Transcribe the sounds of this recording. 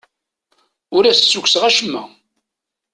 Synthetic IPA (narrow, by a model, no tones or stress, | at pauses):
ʊɾæst͡sːukʷsʁæʃəmːæ̰